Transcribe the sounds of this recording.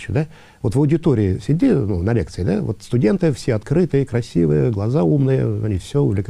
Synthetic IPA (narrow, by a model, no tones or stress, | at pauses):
ɕʊd̪a | vo̞t̪vəwdʲɪt̪oɾʲɪɪsʲɪdʲinunɐlʲekt̪sɨɪd̪avot̪st̪ʊdʲe̞nt̪ɨfsʲeɐt̪kɾɨt̪ɨjəkɾɐsʲivɨjəɡlˠɐzaumnɨjə̰ɐ̰nʲifsʲoʊvlʲɪk